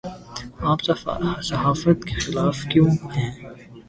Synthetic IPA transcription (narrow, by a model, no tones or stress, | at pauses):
aːpsɐsɐɦaːfət̪kexɪlaːfkjõːhɛ̃ː